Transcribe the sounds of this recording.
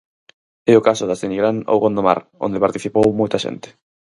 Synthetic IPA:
eʊkasʊðazt̪eniɣɾano̰wɣond̪oma̰ɾo̰nd̪epaɾt̪iθipowmojt̪ɐʃḛnt̪ɪ̥

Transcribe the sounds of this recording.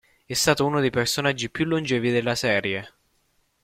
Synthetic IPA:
ɛst̪aːt̪ouːnod̪ejpersonad͡ʒːipjulːund͡ʒɛːvid̪elːasɛːɾje

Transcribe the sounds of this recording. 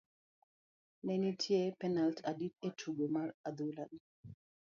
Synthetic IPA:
nɛnitʰjepɛnaltʰaditetʰuɡemarad̪ulan

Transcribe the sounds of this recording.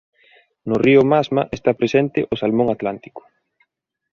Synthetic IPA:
nʊriʊmazmaʔest̪apɾesent̪ɪʔʊsalmoŋat̪lant̪i̥kʊ̥

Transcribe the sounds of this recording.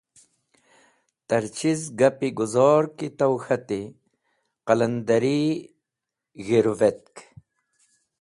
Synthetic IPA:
t̪ɐɾt͡ɕizɡɐpiɡuzɔːɾkit̪ɐwxɐt̪i | qɐlɐnd̪ɐɾi | ɣiɾuvet̪̚k

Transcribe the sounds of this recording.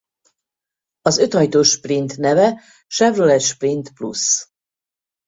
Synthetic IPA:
ɒzø̞t̪hɒjt̪oːʃprint̪nɛvɛ | ʃɛvrolɛʃprint̪plṵs

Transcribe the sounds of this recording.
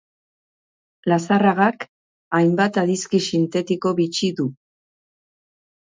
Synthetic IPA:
lasaraɣak | ajmbat̪aðiskisint̪e̞t̪iko̞βit͡ʃiðu

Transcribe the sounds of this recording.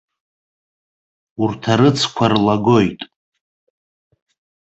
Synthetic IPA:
urtʰaɾɨt͡sʰkʷʰarlaɡo̞jtʼ

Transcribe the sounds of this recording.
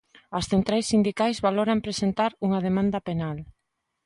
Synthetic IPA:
ɐsθent̪ɾajsːind̪ikajzβaloɾampɾesent̪aɾuŋɐðemãnd̪ɐpenal

